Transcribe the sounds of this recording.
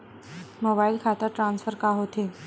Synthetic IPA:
mobailkʰat̪əɾʈɾansfəɾkaɦot̪e

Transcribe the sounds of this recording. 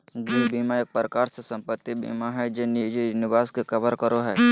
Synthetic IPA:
ɡebiːmaeːk̚pəɾəkaːɾsesɐ̃mpət̪ːibḭːmaɦɛd͡ʒenid͡ʒinɪbaːskekɐbəɾkəɾoɦɛː

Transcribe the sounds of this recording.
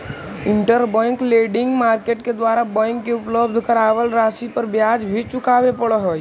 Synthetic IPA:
iɳʈəɾbə̃ŋkleɖiŋɡmaɾkeʈked̪ʋaɾabə̃ŋkːeupləbd̪ʱkəɾabəlɾasipəɾbjad͡ʒbʱit͡ʃukabepəɽəɦoj

